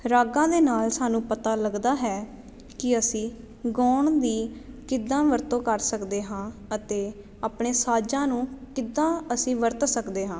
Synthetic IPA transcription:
ɾaːɡãːd̪eːnaːlsaːnũːpət̪aːləɡd̪aːɦɛː | kɪəsĩː | ɡɔːɳd̪iːkɪd̪ːãːʋəɾt̪õːkəɾsəkd̪eːɦãːət̪eː | aːpɳeːsaːd͡ʒãːnũːkɪd̪ːãːəsĩːʋəɾt̪səkd̪eːɦãː

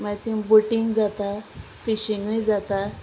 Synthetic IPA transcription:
mat̪ibuʈiŋɡd͡zat̪a | fiɕiŋɡʋid͡zat̪a

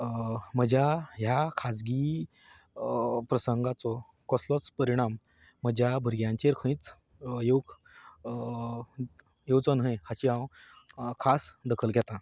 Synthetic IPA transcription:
m̤əd͡ʑʱaɦjakʰad͡zɡi | pɾəsəŋɡat͡sɔ | kɔslɔt͡spəɾiɽ̃amː | əd͡ʑʱjabʱəɾɡjãɲt͡ɕeɾkʰə̃ĩt͡s | jowɡ | jewt͡sɔnɦə̃jhat͡ɕiɦãw | kʰasd̪əkʰəlɡʱɛt̪a

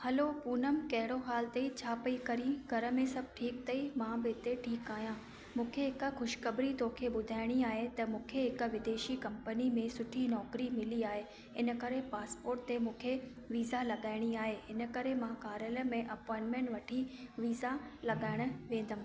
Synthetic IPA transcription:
hɐlopuːnəmkɐɦɪɽoɦaːlt̪eit͡ɕʰaːpɐikɐɾĩɡʱɐɾə̆mẽsɐb̚ʱʈʰiːk̚t̪ɐimãbɪɪt̪eʈʰiːkaːɦjãː | mũːkʰeɦɪkxʊʃkɐbɾit̪oːkʰeɓʊd̪ʱaːɪɽ̃iaːɦet̪ɐmũːkʰeɦɪk̆ʋɪd̪eːʃikɐ̃mpənimẽsʊʈʰinɔːkɾimɪliaːɦe | ɪnə̆kɐɾepaːspoːɾʈ̚t̪emũːkʰe | ʋiːzalɐɠaːɪɽ̃iaːɦeɪnə̆kɐɾemãkaːɾjələmẽʔɐpɔ̃ːɪɳʈmẽːɳʈʋɐʈʰiʋiːzalɐɠaːɪɽ̃̆ʋẽːn̆d̪əm

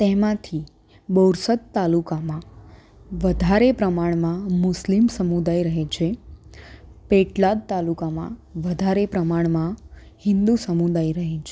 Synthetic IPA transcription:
t̪ɛmãt̪ʰi | boɾsət̪t̪alukamã | ʋəd̪ʱaɾepɾəmaɳmãmʊslimsəmud̪ajɾəɦet͡ʃʰe | peʈlad̪̚t̪alukamã̰ʋəd̪ʱaɾepɾəmaɳmã | hɪnd̪usəmud̪ajɾəɦet͡ʃʰe

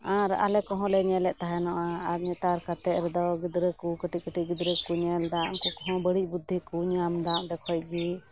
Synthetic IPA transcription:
ãɾa̰lɛkɔɦɔ̃lɛɲɛlɛʔt̪aɦɛnɔʔaaɾɲɛt̪aɾkat̪ɛʔɾɛd̪ɔɡid̪ɾəkukəʈikəʈiɡid̪ɾəkuɲɛld̪amkukɔɦɔ̃bəɽiˀbud̪ʱːikuɲamd̪amɖɛkʰɔj̚d͡ʒi

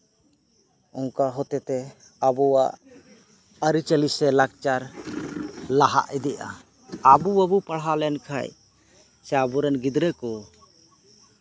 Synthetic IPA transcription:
ɔ̃ŋkaɦɔt̪ɛt̪ɛ | abɔwaʔ | əɾit͡ʃəlisɛlak̚t͡ʃaɾ | laɦa̰ʔid̪ɛʔa̰ | abuabupaɽɦalɛnkʰa̰j | sɛabuɾɛnɡid̪ɾɛkɔ

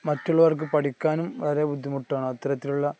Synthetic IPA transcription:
mɐtːuɭːɐʋɐrk̬ɨpɐʈikʲːaːnumʋɐɾebud̪ʱːimuʈːaːɳɨɐt̪ːɐɾɐt̪ːiluɭːɐ

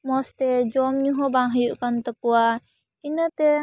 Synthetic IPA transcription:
mɔst̪ɛd͡ʒɔmɲuɦɔbaŋɦəjuʔkant̪əkua | inət̪e

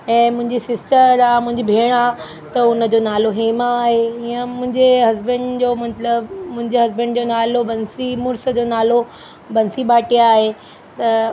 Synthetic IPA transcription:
ɛ̃ːmʊ̃ɦɪ̃ɲd͡ʑisɪsʈəɾaːmʊ̃ɦɪ̃ɲd͡ʑibʱeːɽ̃a | t̪ɐʊnəd͡ʑoːnaːloɦeːmaaːɦeiə̃mʊ̃ɦɪ̃ɲd͡ʑeɦɐzbənd͡ʑoːmɐt̪ləbmʊ̃ɦɪ̃ɲd͡ʑeɦɐzbənɖd͡ʑonaːlobɐnsimʊɾsə̆d͡ʑoːnaːlo | bɐnsibʱaːʈiaːɦe | t̪ɐ

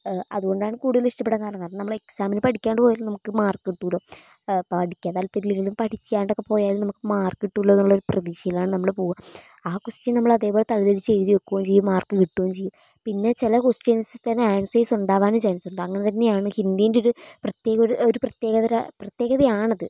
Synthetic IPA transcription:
ɐ̰ðuɣo̞ɳɖaːɳɨkuːɽuðɐliʂʈɐpeɽːɐŋkaːɾɐɳɐkaːrɐɳnɐmːɐɭeksaːminɨpɐʈikʲːaːɳɖɨpo̞ːjalmnɐmukːɨmaːrkːiʈːuːloː | pɐɽikʲːaːðaːlpeɾileŋɡilumpɐʈʰikʲːaːɳɖokːepo̞ːjaːlumnɐmukːɨmaːrkːiʈːulːɐnuɭːɐoɾuprɐðiːʂɐjilaːɳɨnɐmːɐɭepo̞ːɣum | aːkostjɐnɐmːɐɭɐðe̞ːpo̞ːlet̪ɐliðɐɾit͡ɕːeɻiðijokːuʋomt͡ɕejːumːaːrkːɨkiʈːuʋɐmt͡ɕejːum | pinːe̞t͡ɕilɐkostensɨt̪ɐnːeaːnsɐjsuɳɖaːʋaːnumt͡ɕaːnisuɳɖɨɐŋːɐnet̪ɐnːe̞jaːɳɨhind̪ijindeo̞ɾuprɐt̪je̞ːɣɐoɾoɾuprɐt̪je̞ːɣɐðɐɾa̰prɐt̪je̞ːɣɐðɐjaːɳɐðɨ

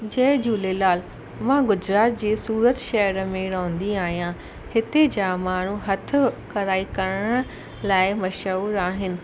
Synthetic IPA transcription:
d͡ʑɐ̃ɦd͡ʑuːlelaːl | mãɡʊd͡ʑɾaːt̪̚d͡ʑeːsuːɾət̪ʃɐɦjəɾəmẽɾõːə̃n̆d̪iaːɦijã | hɪt̪ed͡ʑaːmaːɳ̤uɦɐt̪ʰʊ̆kɐɾaːikɐɾəɽ̃ə | laːɪmɐʃəuːɾaːɦɪnɪ̆

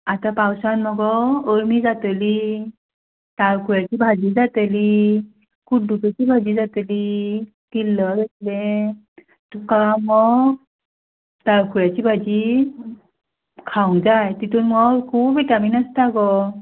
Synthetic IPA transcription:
atapawsanmɔɡɔːɹmizatəli | taɹkʰujatibʱazizateli | kuduketibʱazizatəli | tilːɔɾaslɛ | tukamɔ | taɹkʰujatibʱad͡ʒi | kʰawŋzajtitunmɔkʰubitaminastʰaɡɔ

